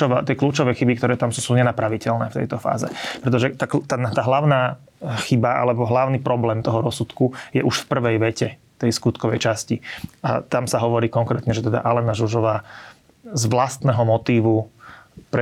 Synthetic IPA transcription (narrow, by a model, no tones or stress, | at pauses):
ɔʋaːt̪ɪɛkluːt͡ʃɔʋɛjxibik̚t̪ɔɾɛːt̪amsuːsuːɲɛnapɾaʋicɛlnɛːft̪ɛ̰jt̪ɔfa̰ːzɛ̰pɾɛt̪ɔʒɛt̪akt̪ant̪aːɦlaʊnaː | xibaa̰lɛbɔɦlaʊniːpɾɔblɛːmt̪ɔɦɔɾɔsut̪kujɛʔuʃfpr̩ʋɛjʋɛcɛ | t̪ɛjskut̪kɔʋɛjt͡ʃascia̰t̪amsaɦɔʋɔɾiːkɔŋkɾɛːt̪ɲɛʒɛt̪ɛd̪a̰ʔalɛnaʒuʒɔʋaː | zʋlast̪nɛɦɔmɔt̪iːʋu | pɾɛ